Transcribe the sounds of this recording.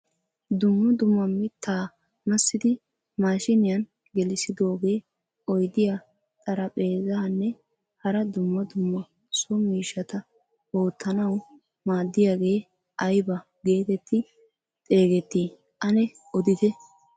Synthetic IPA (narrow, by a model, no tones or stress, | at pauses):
d̪ʊmːɐd̪ʊmːɐmɪt̪ːaː | mɐsːɪd̪ɪ | maːʃɪnɪjɐn | ɡɛlɪsɪd̪o̞ːɡe̞ː | ɔjd̪ɪja | t̪ʼɐɾɐpʼe̞ːzɐhɐnːɛ | hɐɾɐd̪ʊmːɐd̪ʊmːɐ | sʊmiːʃːɐt̪ɐ | o̞ːt̪ʰːɐnɐw | maːd̪ːɪjaːɡe̞ː | ʔɐjbɐ | ɡe̞ːt̪ɛt̪ːɪ | t̪ʼe̞ːɡɛt̪ːiː | ʔɐnɛ | ɔd̪ɪd̪ɛ